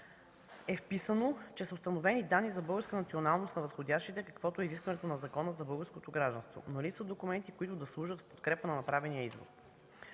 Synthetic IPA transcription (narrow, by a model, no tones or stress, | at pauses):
ɛfpisənot͡ʃɛsost̪ɐnovɛnid̪anːizɐbɤlˠɡəɾskənɐt̪sionalˠnost̪nɐvəsxodʲaʃt̪it̪ɛkɐ̥kvɔt̪oɛiziskvɐnɛt̪onɐzɐkɔnəzɐbɤlˠɡəɾskot̪oɡɾaʒd̪ɐ̃nst̪vo̰nolipsəd̪okumɛnt̪ikoit̪ʊd̪ɐslˠuʒət̪fpo̥t̪kɾɛpənɐnɐpɾavɛnijəizvo̰t̪